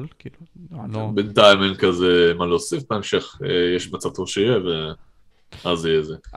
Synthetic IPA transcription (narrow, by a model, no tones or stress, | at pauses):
bent̪aimenkazemaloːsifbeemʃeχejeʃmat͡savt̪oʃejeve | azijeze